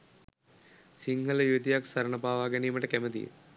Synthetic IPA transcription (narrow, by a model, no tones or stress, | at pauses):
siŋɡɐlɐjud̪jaːksɐɾɐɳɐbaːʋaːɡɐnijɐmɐʈːekemɐd̪ḭ